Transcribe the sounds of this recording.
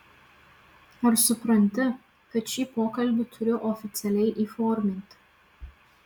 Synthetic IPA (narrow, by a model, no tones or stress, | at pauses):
ɐʃsʊpɾɐnʲt̪ʲɪ | kɐt̪ʃʲiːpoːkɐlʲbʲɪt̪ʰʊɾʲʊʔɔfʲɪt̪sʲɛlʲɛjʔiːfɔːɾʲmʲɪnʲt̪ʲ